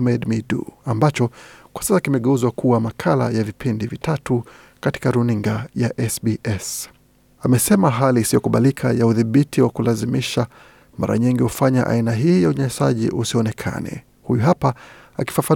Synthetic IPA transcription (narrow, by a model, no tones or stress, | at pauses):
mɛdmidṵambat͡ʃɔkwḁsasakimɛɠɛuzwakʰuwamakʰalajavipindivitatu | kati̥kaɾuniŋɡajaʔɛsbiʔɛs | amɛsɛmaɦaliːsijɔkuɓalikʰajauðiɓitiwakulazimiʃa | ma̰ɾʔa̰ɲiŋɡihufaɲa̰ʔa̰inaɦiːjauɲaɲasaʄḭʔusiɔnɛkʰa̰nɛ̰ | hujuɦapaaki̥fafa